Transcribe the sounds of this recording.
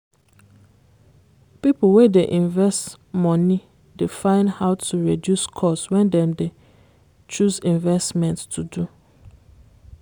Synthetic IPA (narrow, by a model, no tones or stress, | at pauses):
pip̩wedeʔĩɱvɛst | mɔ̃nĩ | difãɪ̃nhaʊtʰuɹidjuskʰɔswɛ̃ndɛ̃mde | t͡ʃuzĩɱvɛstmɛ̃nttʰudu